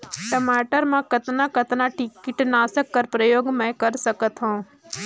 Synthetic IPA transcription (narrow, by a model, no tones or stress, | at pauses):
ʈəmaːʈəɾmãkɐt̪nãkət̪naʈɪkɪʈnaːsəkːəɾpɾəjoːɡmɛ̃kəɾsəkət̪ɦõː